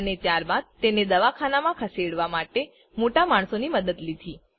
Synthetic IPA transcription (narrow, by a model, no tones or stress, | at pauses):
ənet̪jaɾbad̪̚t̪ened̪əʋakʰanamãkʰəseɽʋamaʈe | moʈamaɳ̃soniməd̪əd̪lid̪ʱi